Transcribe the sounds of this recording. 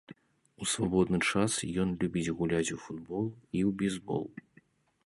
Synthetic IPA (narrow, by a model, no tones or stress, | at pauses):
usvabɔd̪nɨt͡ʂasjɔnlʲubʲid͡zʲɣulʲat͡sʲufud̪bɔlˠiwbʲɛzbɔ̰lˠ